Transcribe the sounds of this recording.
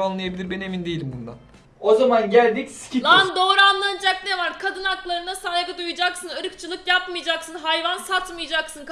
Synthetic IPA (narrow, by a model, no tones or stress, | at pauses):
anlˠajabilʲiɾbɛne̞mind̪ejilʲimbund̪a̰ | ozamanɟælʲd̪icsi̥cʰiand̪o̞ːɾanlˠanɯd͡ʒaknevaɾkʰad̪ɯnak̪lˠaɾɯnasajɡɯd̪ujud͡ʒaksɯnɯɾɯkt͡ʃʰɯlˠɯkjapmɯjad͡ʒaksɯnɦajvansat̪mɯjad͡ʒaksɯnk